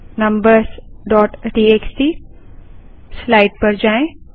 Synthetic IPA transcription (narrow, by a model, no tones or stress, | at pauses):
nɐ̃mbəɾsɖɔːʈɖiːeːksiː | slaːɪʈ̚pɐɾd͡ʒaːẽ